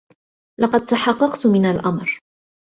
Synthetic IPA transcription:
lʔɑqɑd̪̚t̪aħɑqːɑqt̪mɪnalʔamɾ

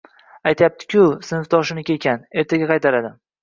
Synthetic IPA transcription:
ajt̪ʰajap̚t̪ʰɪ̥kʲʊsɪnɪft̪ʰɒʃɪnɪkʲe̞kʲane̞ɾt̪ʰaɡʲaqʰɑjt̪ʰaɾad̪ɪ

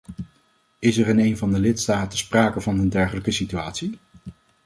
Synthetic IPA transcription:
ɪsɛrənejnvɑndəlɪtstaːtəspraːkəvɑnəndɛɹχələkəsityaːtsi

